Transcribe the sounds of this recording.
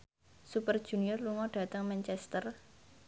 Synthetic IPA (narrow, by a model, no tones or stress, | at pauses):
supərd̥ʒ̥ṳniɔrluŋɔɖ̥ä̤t̪əŋmɛnt͡ʃɛst̪ər